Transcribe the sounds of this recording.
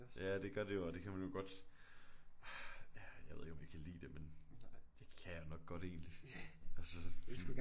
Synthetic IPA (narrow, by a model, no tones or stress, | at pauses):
jæd̥e̝ɡ̥ɶɐd̥e̝joɒd̥e̝kʰæmænjo̝ɡ̥ɒ̽d̥ | jæjɑaɪʋeðˠeɡ̥ɒ̽mjakʰælḭːd̥e̝mend̥e̝kʰæjonɒ̽ɡ̥̚ɡ̥ɒ̽ɾ̥e̝̰ːnliɒsɒ